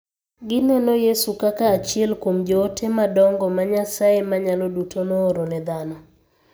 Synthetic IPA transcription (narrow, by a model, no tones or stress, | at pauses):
ɡɪnanɔjesukakaːt͡ʃiɛlkwomd͡ʒɔːtʰemadɔŋɡɔmaɲasaemaɲalɔdutʰonoːɾonɛd̪anɔ